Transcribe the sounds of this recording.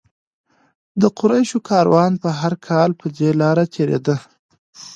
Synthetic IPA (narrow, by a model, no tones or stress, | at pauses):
d̪əqʊɾajʃokʰɑɾwɑnpəɦaɾkʰɑlpəd̪elɑɾat̪ʰeɾḛd̪ə